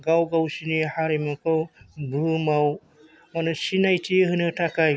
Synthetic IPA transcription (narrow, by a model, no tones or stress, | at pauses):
ɡawɡawsinihaɾimɔkɔbʱɯmaw | anɯsinajtʰieɦɯnɯtʰakaj